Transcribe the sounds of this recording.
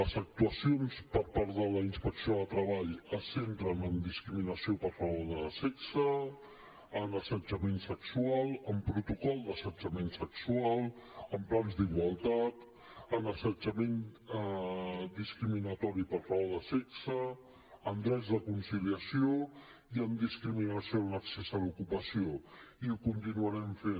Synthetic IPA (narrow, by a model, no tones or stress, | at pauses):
əzək̚t̪uəsionspəɾpaɾðələinspəksioət̪ɾəβaʎəsent̪ɾənənd̪iskɾiminəsiopəɾfəβoɾðəsɛksə | ənəsəd͡ʒəmensəksualˠəmpɾut̪ukɔlˠd̪əsəd͡ʒəmensəksualˠəmplanzd̪iɣwəlˠt̪at̪ | ənəsəd͡ʒəmen | d̪iskɾiminət̪ɔɾipəɾfaβoɾðəsɛksə | ənd̪ɾɛzðəkunsiliəsio | iəmd̪iskɾiminəsionəksɛsəlukupəsioiukunt̪inuəɾɛɱfen